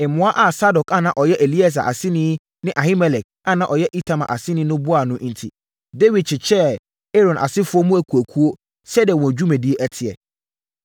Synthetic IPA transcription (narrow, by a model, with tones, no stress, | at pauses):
ɪ˨mʊ̃˨˦a˦ʔa˦sa˦dɔ˨ka˦˨nã˨ʔɔ˨jɛ˦ʔe˨li˦a˦˨s̬a̰˨ʔa˨sɪ˦nɪ̃˦ | nɪ̃˦ʔa˨hi˦mɛ˨lɛ˨k̚ | a˦˨nã˦ʔɔ˨jɛ˦ʔi˦tʰa˨mã̰˨ʔa˨sɪ̃˦nɪ̃˦nʊ̃˦bʊ˦a˨nʊ̃˦ʔntʰi˨ | de˦wi˨d̚t͡ɕʰɪ˨t͡ɕʰɛ˦ | e˦ɾɔ̃˨nʔa̰˨sɪ˦fʊ˦ɔ˦mũ˦æ˨kʰu˨æ˨kʰu˦o˦ | sɛ˦di˨ɛ˨wɔ̃˨d͡ʑᶣu˦mɛ̃˨di˦e˦ʔæ˦tʰɪ˨ɛ̰˨